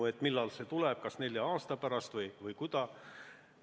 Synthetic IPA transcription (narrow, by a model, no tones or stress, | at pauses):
ue̞t̪ːˑmilːɑlse̞t̪ulɛb̥̚kɑsne̞lʲjɑɑːst̪ɑpæɾɑst̪vɤjvɯjkud̪̥ɑ